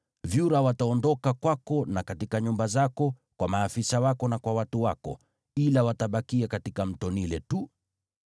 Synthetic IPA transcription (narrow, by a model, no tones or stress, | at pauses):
vjuɾawataɔndɔkakwakɔnakatikaɲumbazakɔ | kwamaːfisawakɔnakwawatuwakɔ̰ | ilawataɓakiakatikam̩tɔnilɛtu